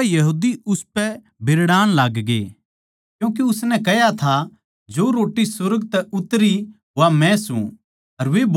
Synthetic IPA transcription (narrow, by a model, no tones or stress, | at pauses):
jɐɦuːd̪iʊspɛ | bʱɪɾɽaːñlaːɡɡḛː | kjũːk̬eʊsnɛkɐjat̪ʰa | d͡ʒoɾoːʈːisʊɾɡt̪ɛʊt̪ɾiɦamɛ̃sṵ̃ | ɐɾʋeb